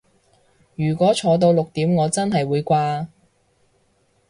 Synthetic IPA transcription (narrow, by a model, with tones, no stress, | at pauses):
jyː˨˩kʷɔː˨˥t͡ʃʰɔː˨˧t̪̬o˧wlʊ˨k̚t̪iː˨˥mŋɔː˨˧t͡sɐ˥nɦɐ˨jwuː˨˧jkʷaː˧